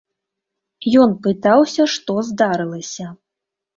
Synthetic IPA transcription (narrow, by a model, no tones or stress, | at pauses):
jɔnpɨt̪awsʲɐʂt̪ɔzd̪aɾɨlˠɐsʲɐ